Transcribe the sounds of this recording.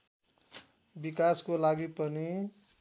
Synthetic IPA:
bikaskolaɡipʌni

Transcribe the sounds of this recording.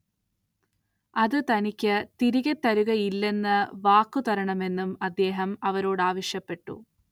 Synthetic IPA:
ɐðɨt̪ɐnikʲːɨt̪iɾiɣɐt̪ːɐɾuɣɐjilːe̞nːɐʋaːkːut̪ɐɾɐɳɐme̞nːumɐd̪ːe̞ːɦɐmɐʋɐɾo̞ːɽaːʋɐɕjɐpːe̞ʈːṵ

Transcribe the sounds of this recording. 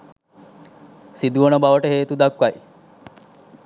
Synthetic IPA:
sid̪uʋənəbaʋəʈəɦeːt̪ud̪akʋaj

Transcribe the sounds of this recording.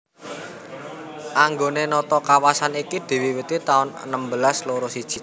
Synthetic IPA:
ʔaŋɡonenɔt̪ɔkawasanikid̪̥i̤wiwət̪it̪aʊnə̰nəmbəlasloɾosid̥ʒ̥i̤̥

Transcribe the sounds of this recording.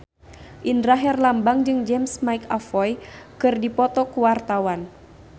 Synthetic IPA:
ʔinɾaɦɛrlambaŋd͡ʒɨŋd͡ʒɛmsmaikafɔjkɨrdipɔt̪ɔkuwart̪awan

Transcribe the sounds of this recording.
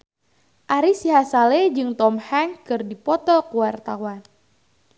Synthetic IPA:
ʔaɾisiɦasaled͡ʒɨŋt̪ɔmhaŋkɨrdipɔt̪ɔkuwart̪awan

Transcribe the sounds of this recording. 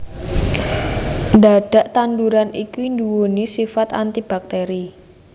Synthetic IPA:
nd̪aɖ̥a̤ʔt̪anduɾanikind̪uwonisifat̪a̰nt̪ib̥ak̚t̪eɾi

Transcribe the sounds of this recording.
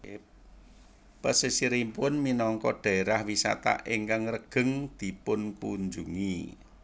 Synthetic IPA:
pəsisiɾimpʊnminɔŋkɔɖ̥a̤eɾahwisa̰t̪a̰ʔiŋkaŋrəɡ̥ə̤ŋd̪̥i̤pʊnkuɲd͡ʒuŋi

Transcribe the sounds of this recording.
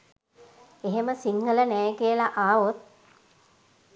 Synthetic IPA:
eɦeməsiŋɡələnɛjəkijəlaʔaːʋot̪̚

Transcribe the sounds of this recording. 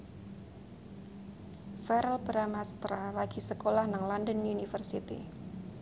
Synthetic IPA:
fɛɾɛlbɾamast̪ɾalaɡ̥isəkolahnaŋlɔndənunifərsit̪ḭ

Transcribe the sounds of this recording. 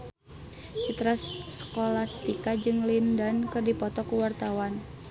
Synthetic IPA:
t͡ʃut̪ɾasə̥kolast̪ikad͡ʒɨŋlindankɨrdipɔt̪ɔkuwart̪awan

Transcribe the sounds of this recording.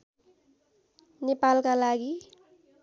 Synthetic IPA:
nepalkalaɡi

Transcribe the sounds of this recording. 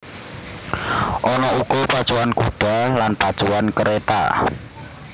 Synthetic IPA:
ʔɔnɔukɔpḁt͡ʃuwankud̪̥a̤lanpḁt͡ʃuwankəɾʔet̪a̰

